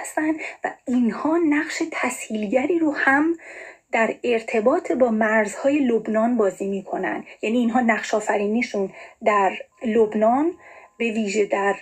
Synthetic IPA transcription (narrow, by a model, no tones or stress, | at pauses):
st̪ænd̪væ̰inhɒːnæχʃe̞t̪ʰæshiːlɟæɾiːɾohæmd̪̥æɾe̞ɾt̪ʰe̞bɒːt̪ʰebɒːmæɾzhɒːje̞lobnɒːnbɒːziːmiːkʰo̞næ̰nd̪jæniːnɦɒːnæχʃɒːfæɾiːniʃund̪æɾlobnɒːnbe̞viːʒe̞d̪æɾ